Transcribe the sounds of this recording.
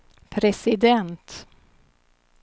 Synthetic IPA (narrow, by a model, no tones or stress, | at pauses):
pʰɾɛsɪd̪ɛnt̪